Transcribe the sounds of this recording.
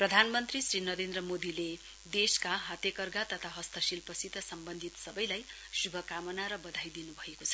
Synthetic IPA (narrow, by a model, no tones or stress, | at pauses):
prʌd̪ʱanmʌnt̪risrinʌɾend̪rʌmod̪ile | d̪eskaɦat̪jekʌrɡat̪ʌt̪ʰaɦʌst̪ʰʌsilpʌsit̪ʌsʌmbʌnd̪ʱit̪sʌbʌjlaj | subʱʌkamʌnaɾʌbʌd̪ʱajd̪inubʱʌekot͡sʰʌ̥